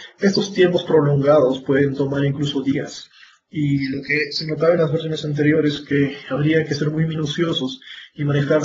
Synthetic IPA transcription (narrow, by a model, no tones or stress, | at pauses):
e̞st̪o̞st̪je̞mpo̞spɾo̞lo̞ŋɡaðo̞spwe̞ð̞e̞nt̪o̞maɾiŋkluso̞ðias | ilo̞ke̞se̞no̞t̪̬aβaenlazβeɾs̬jo̞nesant̪̬e̞ɾjo̞ɾeske̞aβɾiake̞se̞ɾmujmĩnusjo̞so̞simane̞xaɾ